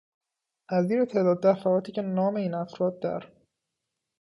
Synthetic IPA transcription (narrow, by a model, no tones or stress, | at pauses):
ʔæziːɾet̪ʰed̪ɒːd̪ːæfæɒːt̪ʰiːcʲʰenɒːmeiːnæfɾɒːd̪̚ːæ̰ɾ